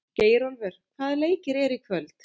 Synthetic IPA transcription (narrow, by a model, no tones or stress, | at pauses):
ceːjɾɔnvʏɾ̥θaːðleːjcɪɾɛɾikʰvœlt̪